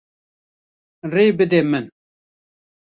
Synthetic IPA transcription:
reːbɨd̪ɛmɨn

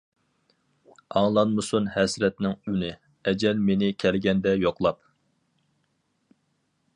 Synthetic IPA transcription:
ɑŋlˠɑnmɨsunhɛsɾɛt̪nɪŋynɪ | ɛd͡ʒɛlmenɪkʲʰɛlɡʲɛnd̪ɛjoqlˠɑp̚

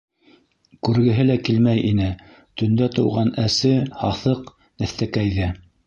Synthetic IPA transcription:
kʉɾɡɘ̆ɦɘlækilmæjʔinɘ | t̪ɵ̆nd̪æt̪ɤ̆wʁɑnæsɘhɑθɤq | næ̆θt̪ækæjðɘ

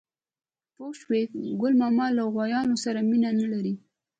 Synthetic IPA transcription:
poʃwefɡʊlmɑmɑlaɣwajɑnosaɾaminanalaɾi

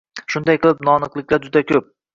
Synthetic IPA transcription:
ʃʊnd̪ajqʰɨlˠɪpnɒnɨqlˠɪk̚ʲlad͡ʒʊd̪akʲʰɵp̚

